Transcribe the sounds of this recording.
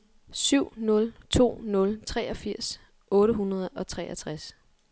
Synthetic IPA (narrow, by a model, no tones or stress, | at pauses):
syʊ̰nɔ̽lt͡sʰo̝̰ːnɔ̽lt͡sʰʁɛːʔɒ̽fiɐ̰s | ʔɔ̽ːɾəɦunɐð̞̩ˠɒ̽t͡sʰʁɛːæt͡sʰʁas